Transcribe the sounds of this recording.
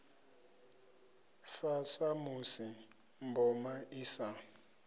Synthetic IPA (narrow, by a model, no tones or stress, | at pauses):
fasamusi | mbɔmaʔisa